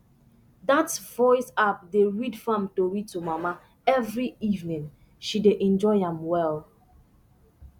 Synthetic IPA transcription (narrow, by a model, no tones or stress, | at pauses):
datvɔɪsap̚deɹidfãmtowitumama | ɛvɹiivnĩŋ | ʃideʔɛ̃nd͡ʒɔɪãmwɛl